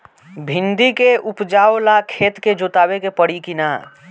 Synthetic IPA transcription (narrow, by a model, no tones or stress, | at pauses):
bʱɪ̃nd̪ikeʊpd͡ʒaːolakʰeːt̪ked͡ʒot̪aːbekepəɽikina